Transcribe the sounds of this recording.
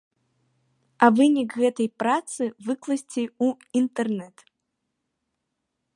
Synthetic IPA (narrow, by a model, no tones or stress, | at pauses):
ɐvɨnʲikɣɛt̪ɐjpɾat̪sɨvɨklˠɐsʲt͡sʲeu | int̪ɛrnɛt̪